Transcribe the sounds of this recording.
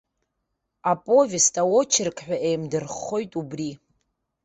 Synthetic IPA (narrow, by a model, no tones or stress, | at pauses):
apʼovʲistʼawot͡ʃʰɪrkʼʰħᶣʷaʔejmdɨrχo̞jtʼubri